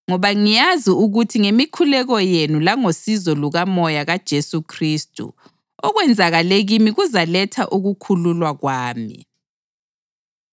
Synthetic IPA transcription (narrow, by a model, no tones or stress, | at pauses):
ŋɔβaŋijaziuɣutʰiŋemikʰulɛɣɔjenulaŋosizɔluɣamɔjaɣad̥ʒ̥ʱesukʰriːstʼṵ | ɔɣwɛnd͡zʱaɣaleɣimiɣuzalɛtʰaʔuɣukʰululwaɣwaːmḭ